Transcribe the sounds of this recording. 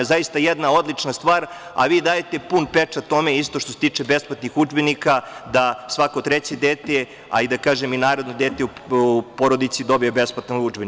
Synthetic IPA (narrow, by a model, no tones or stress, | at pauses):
zajist̪ajed̪nao̞d̪lit͡ʂnast̪ʋaːɾa̰ʋiːd̪aːjet̪e̞punpet͡ʂat̪o̞meist̪oʃt̪oset̪iːt͡ʂebe̞splˠat̪nixud͡ʒbenikad̪asʋakot̪ɾet͡ɕed̪eːt̪e | a̰id̪akaːʒeminaːɾo̞d̪nod̪eːt̪euupo̞ɾo̞d̪it̪sid̪o̞bijebe̞splat̪naud͡ʒben